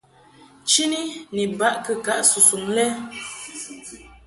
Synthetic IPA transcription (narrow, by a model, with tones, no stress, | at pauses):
t͡ʃi˦ni˦ni˨ba˦ʔkə˨ka˦ʔsu˨su˨ŋlɛ˦